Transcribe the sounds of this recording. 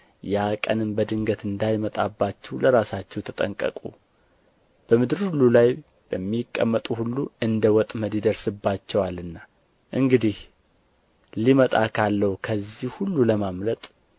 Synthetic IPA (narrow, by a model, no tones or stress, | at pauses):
jakʼə̰nɨmbəd̪ɨŋɡət̪ɨnd̪ajmət̪ʼabːat͡ʃːɛwləɾasat͡ʃːɛwt̪ʰət̪ʼə̰ŋkʼə̰kʼṵ | b̥əmɨd̪ɨɾhulːulaj | b̥əmːikʼːə̰mːət̪ʼuhulːuɨnd̪əwɔt̪ʼməd̪id̪əɾsɨbːat͡ʃːɛwalɨnːa | ʔɨŋɡɨd̪ih | limət̪ʼakʰalːəhukʰəzːihhulːuləmamlət̪ʼ